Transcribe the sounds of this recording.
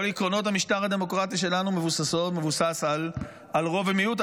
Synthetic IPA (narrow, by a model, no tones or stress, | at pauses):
olikʁo̞no̞thamiʃtaʁad̪e̞mo̞kʁat̪iʃ̬e̞lanumevusaso̞tme̞vusasal | alʁo̞vemijut̪